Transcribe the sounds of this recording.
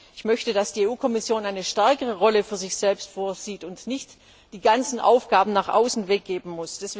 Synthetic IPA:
ʔɪçmœçtədasd̥iːeʔuːkʰɔmɪsjoːnaɪnəʃtɛɐkəʁəʁɔləfyːɐzɪçz̥ɛlpstfoːɐziːtʊntnɪçt | d̥iːɡant͡sn̩ʔa̰ʊfɡ̥aːbm̩naːχʔa̰ʊsn̩vɛk̚ɡ̥eːbm̩mʊsd̥as

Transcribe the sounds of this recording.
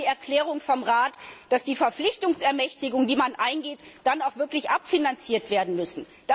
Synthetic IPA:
iːɛɐkl̥ɛːʁ̞ʊŋfɔmʁaːtd̥asd̥iːfɛɐflɪçtʊŋsɛɐmɛçtɪɡʊŋdiːmanʔaɪnɡeːtd̥anaʊxv̥ɪɐklɪçʔapfinant͡siːɐtv̥eːɐdn̩mʏsn̩ | d̥a

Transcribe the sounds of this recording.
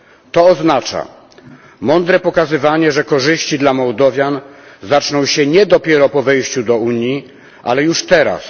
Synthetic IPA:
t̪ɔɔznat͡ʂa̰ | mɔnd̪ɾɛpɔkazɘvaɲɛʐɛkɔʐɘɕt͡ɕid̪lamɔwd̪ɔvʲjanzat͡ʂnɔ̃w̃ɕɛɲɛd̪ɔpʲjɛɾɔpɔvɛjɕt͡ɕud̪ɔuɲji | ʔa̰lɛjuʂt̪ɛɾa̰s

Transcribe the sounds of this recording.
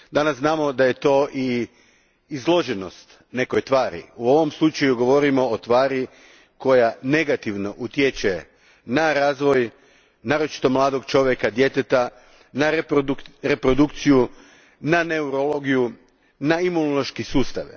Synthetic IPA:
d̪anasznaːmo̞d̪aje̞t̪o̞ːʔiː | zlˠo̞ʒeno̞st̪ | ne̞kojt̪ʋaːɾḭuo̞ʋo̞mslˠut͡ʃajuɡo̞ʋo̞ɾimo̞ːt̪ʋaːɾi | ko̞jane̞ɡat̪iʋno̞ʔut̪jet͡ʃe | naɾaːzʋo̞j | naːɾot͡ʃi̥t̪o̞mlˠaːd̪o̞ɡt͡ʃo̞ʋjekad̪je̞t̪et̪a | naɾp̪ɾe̞pɾo̞d̪ukt̪siju | nane̞uɾolo̞ɡiju | naimunoloʃkisuːst̪a̰ʋi

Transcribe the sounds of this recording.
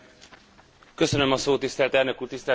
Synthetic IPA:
kø̞sønømɒsoːt̪ːist̪ɛlt̪ɛlnø̞kuːrt̪ist̪ɛ

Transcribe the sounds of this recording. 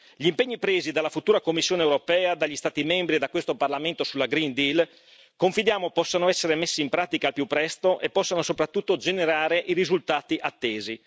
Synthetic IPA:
ʎimpeɲːipɾeːzid̪alːafut̪uːɾakomːisːjoːnewɾopɛːad̪aʎːist̪aːt̪imembɾid̪akwest̪oparlament̪osulːaɡɾind̪il | koɱfid̪jaːmopɔsːanoɛsːeɾemesːiːmpɾaːt̪ikalpjupːɾɛst̪oʔepːɔsːanosopɾat̪ːut̪ːod͡ʒeneɾaːɾeʔiɾizult̪aːt̪iʔat̪ːeːzi

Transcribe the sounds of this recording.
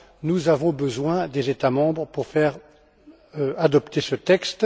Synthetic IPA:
nuzavɔ̃bəzwɛ̃d̪ezet̪amɑ̃bʁpuʁfɛʁ | ad̪ɔpt̪esət̪ɛkst̪

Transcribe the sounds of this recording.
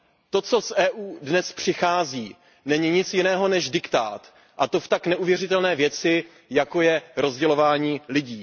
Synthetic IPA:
t̪o̞t͡so̞sʔɛːʔuːdnɛspr̥ɪxaːziː | nɛɲɪɲɪt͡sjɪnɛːɦo̞nɛʒdɪkt̪a̰ːt̪ | ʔat̪o̞ft̪aknɛʔuvjɛrɪt̪ɛlnɛːvjɛt͡sɪ | jako̞jɛɾo̞zɟɛlo̞vaːɲiːlɪɟiː

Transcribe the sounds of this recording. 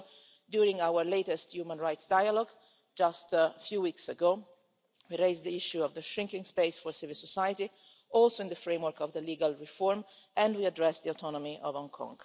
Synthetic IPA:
djuɾĩŋawəɹleɪt̪ɛst̪jumə̃nɹajt̪sdajalɔɡ | d͡ʒast̪fjuːwiksəɡoː | wiɾeɪzd̪iiʃuɔvðəʃɹɪ̃ŋkĩŋspeɪsfɔɹsivilsɔsajət̪i | ɔlsoɪ̃nd̪əfɹẽjmwəɾkɔvðəliːɡalɹifɔɹm | ɛ̃ndwiadɹɛsd̪iot̪ʰɔnɔmiʔɔvɔ̃ŋkʰɔ̰̃ŋɡ

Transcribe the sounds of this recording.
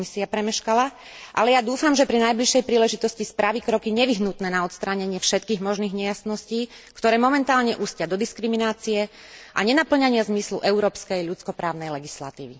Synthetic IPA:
misiapɾɛmɛʃkala | ʔalɛjad̪uːfamʒɛpɾinajbliʃɛjpɾiːlɛʒit̪ɔscispɾaʋikɾɔkiɲɛʋiɦnut̪nɛːnaɔt̪st̪ɾaɲɛɲɪɛfʃɛt̪̚kiːɣmɔʒniːɣɲɛjasnɔsciːkt̪ɔɾɛːmɔmɛnt̪aːlɲɛʔuːscɪad̪ɔd̪iskɾiminaːt͡sijɛ | ʔa̰ɲɛnapl̩ɲaɲɪazmislṵʔɛuɾɔːpskɛjʎut͡skɔpɾaːʊnɛjlɛɡisla̰t̪ḭːʋi

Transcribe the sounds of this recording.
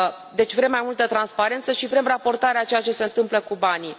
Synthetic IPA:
d̪e̞t͡ʃʲvɾe̞mːajmult̪ət̪ɾanspaɾe̞nt̪səʃivɾe̞mrapo̞rt̪aɾeat͡ʃe̞jat͡ʃe̞se̞ɨnt̪ɨmpləkubani

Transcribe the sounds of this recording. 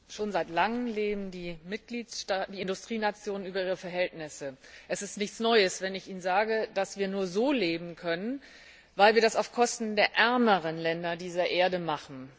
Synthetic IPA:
ʃoːnzaɪtlaŋəmleːbm̩diːmɪt̚ɡ̥liːttaːd̥iːɪndʊstʁ̥iːnat͡sjoːnənyːbɐʔiːʁəfɛɐɦɛltnɪsəʔɛsɪstnɪçt͡snɔʏəsv̥ɛnɪçiːnnzaːɡəd̥asv̥iːɐnuːɐzoːleːbm̩kʰœnən | vaɪlviɐdasaʊfkʰɔstn̩deːɐʔɛɐməʁənlɛndɐdiːzɐʔeːɐdəmaχn̩

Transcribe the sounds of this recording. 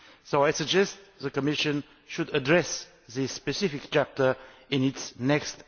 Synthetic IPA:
soʊaɪsɨd͡ʒɛstðəkəmɪʃə̃n | ʃudədɹɛs | ðɪsːpɛsɪfɪk̚t͡ʃæp̚tə˞ɪ̃nɪtsnɛkst

